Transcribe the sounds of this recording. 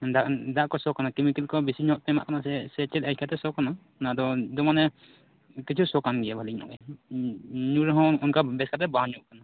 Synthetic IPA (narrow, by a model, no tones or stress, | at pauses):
d̪ad̪aʔkɔsɔkanakɛmikɛlkɔbisiɲɔʔt̪ɛma̰ʔkanasɛsɛt͡ʃɛlat̚ʰkʰat̪ɛsɔkana | nad̪ɔd̪ɔmanɛ | kit͡ʃʰusɔkamɡɛɛbʱaliknɔ̰ʔɛ | ɲuɾɔɦɔ̃ɔnkabɛskat̪ɛbãɲuʔkana